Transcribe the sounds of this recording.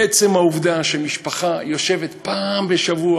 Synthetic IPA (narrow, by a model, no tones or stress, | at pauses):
et͡se̞mhauvd̪aʃemiʃpaχajo̞ʃe̞vet̪paːmbeʃavua